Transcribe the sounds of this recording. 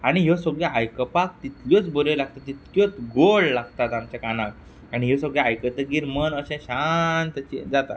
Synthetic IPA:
aɽ̃iɦosəɡɭjaajkəpak̚t̪it̪ljot͡sbəlelaɡ̚t̪at̪ːit̪kjot͡sɡolːaɡt̪at̪amt͡ɕakanak | aɽ̃iɦesəɡɭaajkət̪əɡiːɾmənəɕɛ̃ɕant̪at͡ɕḛ̃d͡zat̪a̰

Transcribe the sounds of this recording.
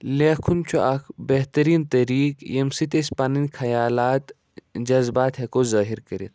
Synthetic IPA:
leːkʰunt͡ʃʰuʔɐkʰbeɦt̪ɐɾiːnt̪ɐɾiːkjemsit̪espaːninkʰɐjaːlaːt̪ | d͡ʒɐzbaːt̪ɦɐkozaːɦiɾkɐɾit̪̚

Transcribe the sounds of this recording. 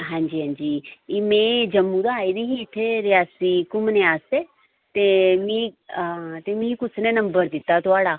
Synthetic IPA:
ɦãːɲd͡ʒiːɦãːɲd͡ʒiːimẽd͡ʒɐmːũd̪aːid̪iɦiːʈʰeɾjaːsikʊmneaːse | t̪emĩ | t̪emĩkʊt͡sʰnenɐmbəɾd̪ɪt̪at̪ʊaːɽa

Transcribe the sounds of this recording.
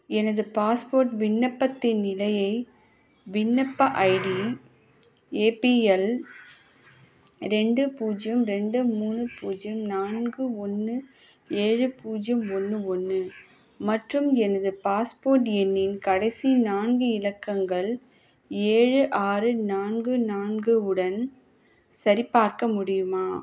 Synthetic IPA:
ɛnɐðɯpaːspoːɾʈʋɪnːɐpːɐt̪ːɪnːɪlɐjɐɪ | ʋɪnːɐpːɐʔɐɪɽi | eːpiɛl | ɾɛɳɖɯpuːd͡ʒɐmɾɛɳɖɯmuːnɯpuːd͡ʒɐmnaːnɡɯɔnːɯ | eːɻɯpuːd͡ʒɐmɔnːɯɔnːɯ | mɐʈrɯmɛnɐðɯpaːspoːɾʈ̬jɛnːɪnkɐɽɐɪsinaːnɡɯɪlɐkːɐŋɡɐɭ | eːɻɯʔaːɾɯnaːnɡɯnaːnɡɯʊɽɐn | sɐɾipaːɾkɐmʊɽɪjɯmaː

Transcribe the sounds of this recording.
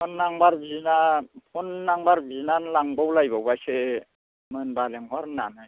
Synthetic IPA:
pɔnːaŋbaɾbiznapʰɔnːaŋbaɾbiznanlaŋbawlajbawbajse | mɯnbaleŋɦɔɾnanɯ

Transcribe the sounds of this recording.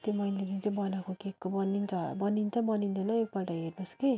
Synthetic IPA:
t̪omʌjleɾint͡sʌbʌnakokekːobʌnːint͡sʰʌ̰bʌnint͡sʰʌbʌnint͡sʰʌnʌek̚baʈʌɦernuske

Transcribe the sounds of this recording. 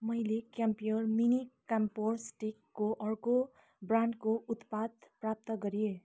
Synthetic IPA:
mʌjlekampijəɾminikampoɾsʈikːoʔʌɾko | bɾãɳɖkout̪pad̪pɾap̚t̪ʌɡʌɾie

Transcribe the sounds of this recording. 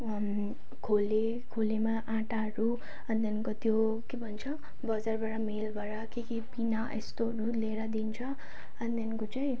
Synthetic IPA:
kʰole | kʰolemaʔãʈaɦʌɾu | ʌnit̪enkot̪jo | kebʱʌnt͡sʰʌ | bʌd͡zarbaɾamelbʱʌɾakekibinaʔḛst̪oɦʌɾuleɾad̪int͡sʰʌ | ʌnit̪enkot͡saĩ

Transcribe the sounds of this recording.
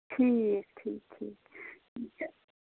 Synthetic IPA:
tʰijɛtʰitʰi

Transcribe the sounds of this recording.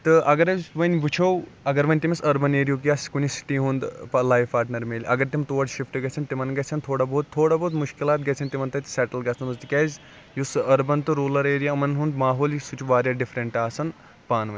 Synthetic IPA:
t̪ɨʔɐɡɐɾɐsʋɐnʲʋɨt͡ʃʰowɐɡɐɾʋɐnʲt̪imɐsɐɾbɐneːɾijuk̬ijaːskunʲisi̥ʈiɦũnd̪pɐlaːjʋpaːɾʈnɐɾmeːlʲɐɡɐɾt̪imʲt̪oːɐʈʃifʈɨɡɐt͡sʰinʲt̪imɐnɡɐt͡sʰɐnt̪ʰoːɽaːboːt̪ʰːoːɽaːboːt̪mʊʃkilaːt̪̚ɡɐt͡sʰinʲt̪imɐnt̪ɐt̪i̥sɛʈɐlɡʲɐsʰɐnusd̪ikʲɐːzʲ | jusɐɾbɐnt̪ɨɾoːlɐɾeːɾijaɐmɐnɦund̪maːɦoːlisut͡ʃʰuʋaːɾʲjaɖɪfɾɐɳʈaːsɐn | paːnʋɐnʲ

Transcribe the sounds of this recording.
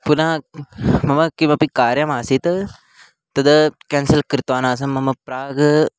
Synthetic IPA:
punãː | mɐmɐkimɐpikaːɾjamaːsit̪ | t̪ɐd̪əkɛnsəlkəɾt̪ʋaːnaːs̬ɐmɐmɐpɾaːɡ

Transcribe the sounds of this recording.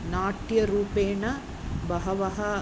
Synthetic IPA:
naːʈjɐɾuːpeːɳɐ | bɐɦɐʋɐɦɐ

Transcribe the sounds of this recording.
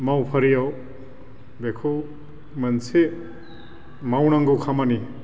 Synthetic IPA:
mawpʰɐɾijaw | bekʰo | mɐnsʰe | mawnaŋɡukʰamani

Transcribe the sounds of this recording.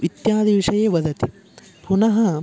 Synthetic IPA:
it̪jaːd̪ʱiʋiʂɐjeːʋɐd̪ʱɐt̪i | punɐɦɐ

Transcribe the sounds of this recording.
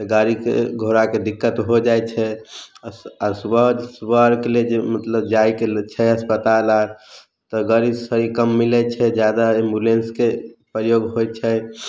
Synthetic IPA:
t̪ɡaɾikḛɡʱoɾaked̪ikːət̪ɦod͡ʒajt͡ʃʰɛ | aɾswəd͡ʒswəɾkeled͡ʒemət̪ləb̚d͡ʒaikelt͡ʃʰɛəspət̪alaɾ | t̪ɔɡəɾisəɾikəmːilɛt͡ʃʰɛd͡ʒjad̪aembulenskepɾəjoɡɦojt͡ʃʰɛ

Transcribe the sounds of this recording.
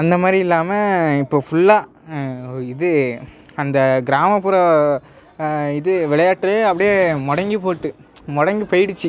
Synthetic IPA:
ɐnd̪ɐmaːd̪ɾiɪlːaːmɐɪpːoːfʊɭːaː | ɪðɯ | ɐnd̪ɐɡɪɾaːmɐpːʊːɾɐ | ɪðɯʋɪɭɐjaːʈːɾeɐpːɐɽɪjemɔɽɐŋɡip̬oːʈːɯ | mɔɽɐŋɡipɐjɪɽɯt͡ʃːi

